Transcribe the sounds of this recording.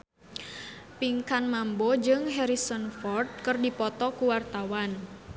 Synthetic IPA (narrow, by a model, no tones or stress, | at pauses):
piŋkanmambɔd͡ʒɨŋɦɛɾisɔnfɔrd̪̚kɨrdipɔt̪ɔkuwart̪awan